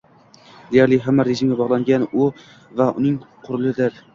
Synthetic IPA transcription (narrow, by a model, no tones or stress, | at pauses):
d̪ejaɾlɪɦamːaɾeʒɪmɡʲabɒʁlˠaŋɡʲanʊ | vaʊ̰nɪŋqʰʊɾɪlˠɪd̪ɪɾ